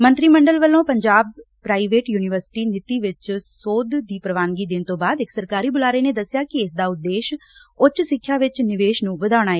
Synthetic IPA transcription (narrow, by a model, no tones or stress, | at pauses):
mə̃nt̪ɾiːməɳɖəlʋəlːõːpəɲd͡ʒaːb̚pːɾaːiʋeːʈjuːnɪʋəɾsɪ̥ʈiːnɪt̪iːʋɪt͡ʃsoːd̪d̪iːpɾəʋaːnɡiːd̪ɪnt̪õːbaːd̪ɪksəɾkaːɾiːbʊlaːɾeːneːd̪əsːɪjaːkɪɪsd̪aːʊd̪ːeːʃʊt͡ʃsɪkʰːjaːʋɪt͡ʃnɪʋeːʃnũːʋəd̪aːɽ̃aːeː